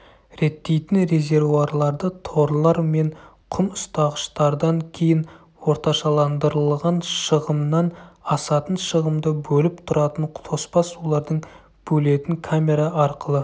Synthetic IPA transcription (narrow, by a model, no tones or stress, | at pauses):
ɾe̞t̪ːe̞jt̪ɪnɾe̞zʲe̞ɾvuɑɾlˠɑɾd̪ət̪ʰo̞ɾlˠɑɾme̞ɴqʰʊmʊst̪ɑʁəʃt̪ɑɾd̪ɑŋkʲʰe̞jɪn | wo̞ɾt̪ɑʃɑlˠɑnd̪əɾəlˠʁɑnʃəʁəmnɑnɑsɑt̪ənʃəʁəmd̪əbɵlɪp̚t̪ʰʊɾɑt̪əɴt̪ʰo̞spɑsulˠɑɾd̪əɴ | b̥ɵle̞t̪ɪŋkʰamʲe̞ɾɑɑɾqəlˠə